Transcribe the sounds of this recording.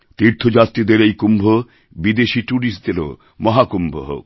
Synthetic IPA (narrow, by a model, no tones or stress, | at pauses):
t̪iɾt̪ʰod͡ʑat̪ːɾid̪eɾejkumbʱo | bid̪eʃiʈuɽisd̪elo̰ | mɔɦakumbʱo̰ɦo̰k